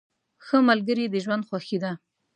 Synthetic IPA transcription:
xəmalɡəɾid̪əʒwand̪xwaxid̪a

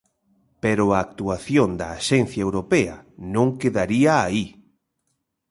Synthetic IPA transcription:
peɾʊaːk̚t̪uaθjond̪ɐːʃɛn̟θjaewɾopeɐ̰nõŋkeðaɾiaːi

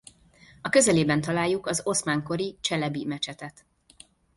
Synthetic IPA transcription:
ɒkøzɛleːbɛnt̪ɒlaːjːukɒzo̞smaːŋko̞ɾit͡ʃɛlɛbimɛt͡ʃɛt̪ɛt̪

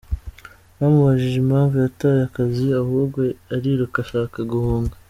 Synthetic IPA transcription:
βamuβaʒiʒimhaːɱvujatajakaziahuːɾɡwe̞aɾiɾukaʃaːkaɡuhuːŋɡa

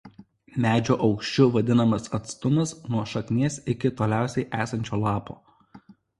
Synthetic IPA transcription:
mʲæːd͡ʒʲoːʔɒʊkʃʲt͡ʃʲʊʋɐd̪ʲɪnɐmɐsɐt̪st̪ʊnɐsnuɔʃɐkʲnʲeːsɪkʲɪt̪oːlʲæˑʊsʲɛɪʔæːsɐnʲt͡ʃʲoːlˠɑːpoː

